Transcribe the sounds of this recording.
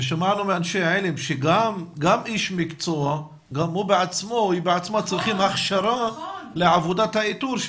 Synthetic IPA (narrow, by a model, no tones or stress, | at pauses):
eʃamaʕnumeanʃejaʕelemʃeɡamɡamiʃmikt͡soa | ɡamhubeʕat͡smo̞ibeʕat͡smat͡sʁiχimhaχʃaɾaleʕavod̪at̪hait̪uɾʃ